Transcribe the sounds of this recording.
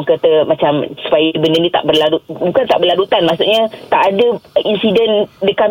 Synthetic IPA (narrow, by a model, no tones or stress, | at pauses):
ŋkat̪əmat͡ʃamsə̥pajbəndənit̪a̰ʔbərlaɾut̪̚bukant̪a̰ʔbərlaɾut̪anmaʔsuʔɲə̃t̪aʔːdəinsidɛndəka